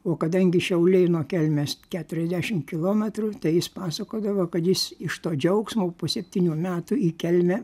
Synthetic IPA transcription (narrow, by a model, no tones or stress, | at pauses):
oːkɐd̪ɐŋʲɡʲɪʃʲɛʊlʲeɪnoːkʲɛlʲmʲeːskʲæːt̪ʊɾʲɛzʲd̪ʲæːʃʲɪmkʲɪlˠoːmʲɛt̪ɾut̪ɐɪjɪspɑːsɐkoːd̪ɐʋoːkɐt̪jɪsɪʃt̪oːd͡ʒʲɛʊksmoːpoːsʲɛpʲt̪ʲiːnʲuːmʲæːt̪uiːkʲɛlʲmʲɛ